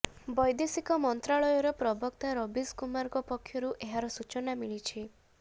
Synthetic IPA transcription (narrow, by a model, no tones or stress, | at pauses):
bɔjd̪esikɔmɔnt̪ɾaɭɔjɔɾɔpɾɔbɔkt̪aɾɔbiskumaɾkɔpɔkʰjɔɾuʔeɦaɾɔsut͡ʃɔnamiɭit͡ʃʰi